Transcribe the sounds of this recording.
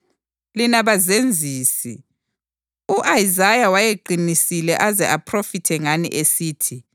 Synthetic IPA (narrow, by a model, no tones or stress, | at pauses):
linaβazend͡zʱiːsi | uʔajzajawajeǃʱinisilɛʔazɛʔapʰrofitʰɛŋanḭʔesiːtʰi